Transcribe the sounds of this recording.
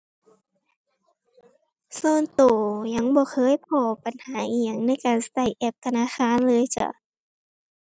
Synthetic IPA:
soː˧˥˨nt̪oː˨˩ɲa˧˥˩ŋbɔː˧˦xʰɤː˧˥˨jpʰɔː˧˩pa˨nhaː˨˦ʔi˧˦əŋna˧˥˨jkaː˨nsa˧t̪a˧˩jʔɛ˧˩p̚ka˧naː˧˥˨xaː˧˥˨nlɤː˧˨jt͡ɕa̰˧˩

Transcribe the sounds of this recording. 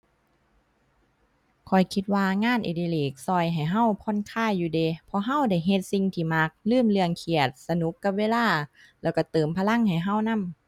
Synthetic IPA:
kʰɔ˨˩jkʰi˧t̪̚waː˧ŋaː˧˥˨nʔḛ˧˩di˧˨leː˨˩k̚sɔː˧˩jɦa˨˩jɦa˧˥˨wkʰɔ˧˥˨nkʰaː˧˥˨jːuː˧deː˧˦pʰɔ˧ɦa˧˥˨wda˧˩jɦe˧t̪̚si˧ŋt̪ʰiː˧˩ma˧˦˥k̚lɯː˥˨mlɯ˧əŋkʰi˧˩ət̪̚sa˧nu˧˦˥kːa˧p̚weː˧˥˨laː˧˥˩ | lɛː˧˩wka˧˩t̪ɤː˨˩mpʰaː˧la˧˥˨ŋha˨˩jɦa˧˩˨wna˧˥˨m

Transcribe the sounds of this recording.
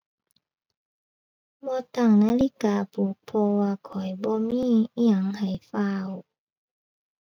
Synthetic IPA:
bɔː˧t̪aː˧˩ŋnaː˧˨li˧˥˨kaː˨pʰuː˨˦k̚pʰɔ˧waː˧kʰɔ˨˩jbɔː˧˦miː˧˥˨a˧˩˦ŋha˨˩jfaː˧w

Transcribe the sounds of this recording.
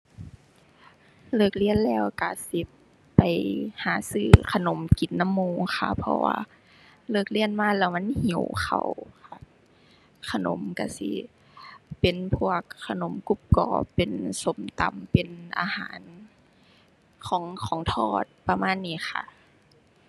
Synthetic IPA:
lɤː˧˩k̚li˧˩ənlɛː˧˥˩wka˧˩si˧˦ | pa˨˩jhaː˨˩˦sɯː˧˩kʰa˧no˨˦mki˨˩˦nːa˧˥˨mːoː˧˨ŋxʰa˧˩pʰɔ̰˧wa̰ː˧ | lɤː˧˩k̚li˧˨ənmaː˧˥˨lɛː˧˩wma˧˥˨nhi˨˩˦wxʰa̰˧˩wkʰa˧˩ | kʰa˧no̰˨˦mka˧˩sḭ˧˦ | pe˨˩npʰu˧˩əkʰːa˧no˨˦mku˧˥˨p̚kɔ̰ː˧˦pe˨nso˨˦mt̪a̰˨˧˦mpe˨nʔa̰ː˧haː˨˦n | kʰɔː˨˦ŋkʰɔː˨˦ŋt̪ʰɔː˧˩t̪̚pa˧maː˧˥˨nːiː˧˩˨xa̰˧˩

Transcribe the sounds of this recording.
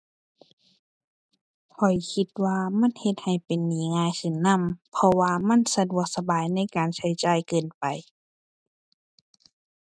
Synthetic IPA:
kʰɔ˨˩jkʰi˧t̪̚waː˧ma˧˥˨nhe˧t̪̚ha˨˩jpe˨nːiː˨˦ŋaː˧˨jse˧˩˦nːa˧˥˨mpʰɔ˧waː˧ma˧˥˨nsa˧du˧˩ək̚sa˧baː˨jna˧˥˨jkaː˨nsʰa˧˥˩jt͡ɕaː˧˩jkɤː˨npa˨j

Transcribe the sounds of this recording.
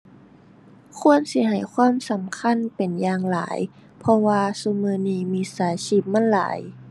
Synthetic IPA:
kʰu˧˨ə˨nsi˧˦ɦa˨˩jkʰwaː˧˥˨msa˨˦mkʰa˧˥˨npe˨˩njaː˧˨ŋla̰ː˩˦j | pʰɔ˧waː˧su˧mɯː˧niː˧˩miː˧˨saː˨˩˦si˧˩p̚ma˧˥˨nla̰ː˨˦j

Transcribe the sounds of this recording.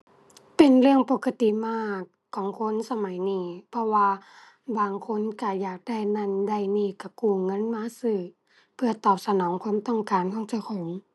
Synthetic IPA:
pe˨nɾɯ˥˧˩əŋpo˧˩kʰa˧t̪i˨maː˥˩kʰːɔː˨˦ŋkʰo˧˥˨nsa˧ma˨˦jniː˧˩pʰɔ˧waː˧ | baː˨˩ŋkʰo˧˥˨nka˧˩jaː˨˩k̚da˧˩jna˧˨nda˧˩jniː˧˩ka˧˩kuː˧˩ŋɤ˧˥˨nmaː˧˥˨sɯː˧˩ | pʰɯ˧˩ɐt̪ɔː˨˩p̚sa˧nɔː˨˦ŋkʰwa˧˥˨mt̪ɔ˧˥˩ŋkaː˨nhʰɔ˧˥˨ŋt͡ɕa˧˩kʰɔː˨˦ŋ

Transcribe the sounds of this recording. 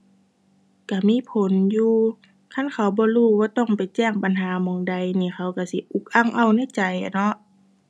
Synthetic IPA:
ka˧˩miː˧˥˨pʰo˨˦njuː˧ | kʰa˧˥˨nkʰa˨˩wbɔː˧˦luː˧˩waː˧t̪ɔ˧˥˩ŋpa˨jt͡ɕɛː˧˩ŋba˨nɦaː˨˦mɔː˨˦ŋda˨˦jniː˧˩˨kʰa˧˦wka˧˩si˧˦ʔu˧˦k̚ʔa˧˨ŋʔa˧˨wna˧˥˩jt͡ɕa˨ja˨nɔ˧ʔ

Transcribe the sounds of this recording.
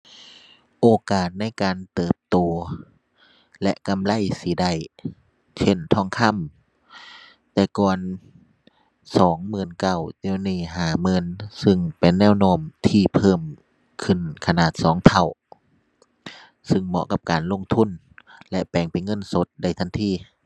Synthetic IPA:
ʔoː˨˧kaː˨˩t̪̚na˧˥˨jkaː˨nt̪ɤː˨˩p̚t̪oː˨˧ | lɛ̰˧˥ʔka˧˨mla˧˥˨jsiː˨˦da˧˩˨j | t͡ɕʰe˧˥˨nt̪ʰɔː˧˩˨ŋk̪ʰa˧˥˨m | t̪ɛː˧˩kɔː˧˩n | sɔː˨˦ŋmɯː˧˥˩nka˧˩wt̪eː˧˨wniː˧˩˨ɦaː˨˧˩mɤ˧˥˨nsɯ˧ŋpe˨nːɛː˧˥˨wnoː˧˩˨mt̪ʰiː˧˩pʰɤː˧˨m | kʰɯ˧˩nkʰa˧naː˧˩t̪̚sɔː˨˦ŋt̪ʰa˧˩w | sɯ˧˩ŋmɔ̰˧ʔka˧˩p̚kaː˨nlo˧˥˨ŋt̪ʰu˧˥˨n | lɛ˧ʔpɛː˨˩ŋpa˨jŋɤ˧˥˨nso˧˦t̪̚da˧˩jt̪ʰa˧˥˨nt̪ʰiː˧˩˨

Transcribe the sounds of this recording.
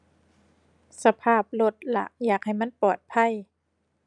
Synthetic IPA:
sa˧pʰaː˥˩p̚lo˧˩t̪̚la̰˧ʔjaː˨˩k̚ha˨˩jma˥˨npɔː˨˩t̪̚pʰa˧˥˩j

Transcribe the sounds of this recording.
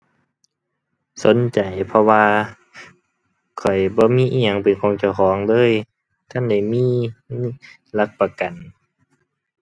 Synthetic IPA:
so˨˦nt͡ɕa˨˩jpʰɔ˧waː˧ | kʰɔ˨˩jbɔː˧˦miː˧˥˨ʔi˧˨ɲa˧˩ŋpe˨˩nkʰɔː˨˦ŋt͡ɕa˧˩wkʰɔː˨˦ŋlɤː˧˥˨j | t̪ʰa˧˥˨nda˧˩jmiː˧˥˨ | la˧˥k̚pa˧ka˨n

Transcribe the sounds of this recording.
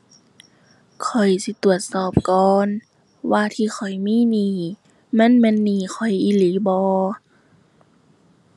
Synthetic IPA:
kʰɔ˨˩jsi˧˦t̪u˨˩ət̪̚sɔː˨˩p̚kɔː˨˧n | waː˧t̪ʰiː˧˨xʰɔ˨˩jmiː˧˥˨niː˧˩ | ma˧˥˨nmɛ˧˥˨nːiː˧˩˨kʰɔ˨˩jʔiː˧˦liː˨˦bɔː˧˦

